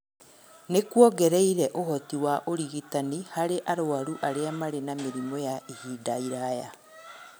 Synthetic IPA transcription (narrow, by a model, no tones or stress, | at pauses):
nekwɔɡɛɾɛiɾɛʔohɔtiwaʔoɾiɣitanihaɾeʔaɾoaɾuʔaɾeamaɾenameɾimɔjaʔihiːdaiɾaja